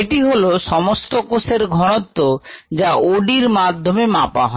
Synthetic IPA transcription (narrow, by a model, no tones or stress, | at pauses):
eʈiɦoloʃɔmost̪okoseɾɡʱɔɽ̃ot̪ːod͡ʑaoɖiɾmad̪ʱːomemapa̰ɦɔ